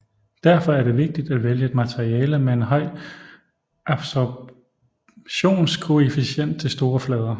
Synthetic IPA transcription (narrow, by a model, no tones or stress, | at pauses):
d̥æɐfɒ̽æɐɾe̝ʋe̝ɡ̥̚d̥id̥æʋeljəe̝d̥mæt͡sʰeʁiɛːləmeenɦɒ̽ɪ̰ | ʔɑb̥sɒ | ɕo̝̰ːnskʰo̝efiɕen̰d̥̚t͡sʰe̝lsd̥o̝ːɐflɛːð̞ˠɐ